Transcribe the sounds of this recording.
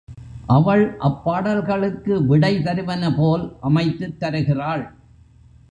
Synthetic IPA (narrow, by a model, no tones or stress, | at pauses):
ʔɐʋɐɭʔɐpːaːɽɐlɣɐɭɯkːɯʋɪɽɐɪt̪ɐɾɯʋɐnɐpoːlʔɐmɐɪt̪ːɯt̪ːɐɾɯɣɪraːɭ